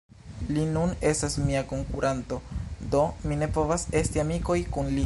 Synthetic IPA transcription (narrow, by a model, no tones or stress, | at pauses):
linune̞stasmiako̞ŋkuɾʔanto̞do̞mine̞po̞vase̞stiamiko̞jkunli